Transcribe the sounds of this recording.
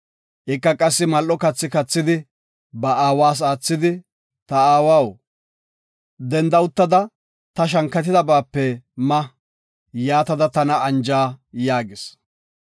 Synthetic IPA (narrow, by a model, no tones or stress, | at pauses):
ʔɪkːɐkʼɐsːɪmɐlʔɔkɐt͡sːɪkɐt͡sːɪd̪ɪ | bɐaːwaːs̬aːt͡sːɪd̪ɪ | t̪ɐaːwaw | d̪ɛnd̪ɐʊt̪ːɐd̪ɐ | t̪ɐʃ̬ɐŋkːɐt̪ɪd̪ɐbaːpːɛmɐ | jaːt̪ɐd̪ɐt̪ɐnɐɐnd͡ʒaːjaːɡɪs